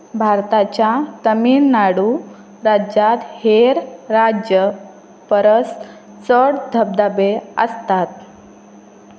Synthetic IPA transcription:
bʱaɾt̪at͡ɕjat̪əmiːnːaɽu | ɾad͡ʑat̪heɾɾad͡ʑjə | pəɾəs | t͡səɽd̪ʱəb̚d̪abeə̰st̪at̪̚

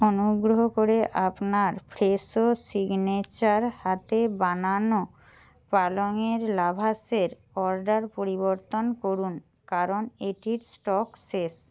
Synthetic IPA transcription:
onuɡɾoɦokoɾeʔapnaɾpʰɾesosiɡnet͡ɕaɾhat̪ebanano | paloŋeɾlabʱaseɾ | ɔɾɖaɾpoɾiboɾt̪onkoɾun | kaɾoneʈiɾsʈɔkses

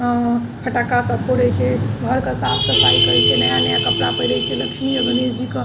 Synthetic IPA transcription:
pʰəʈakasəpʰoɾət͡ʃʰɛbʱəɾkəsapʰsəpʰaikəjt͡ʃʰɛnəjanəjakəpɾapəjɾəjt͡ʃʰɛləkʃʰmiəbʱəned͡ʒikə

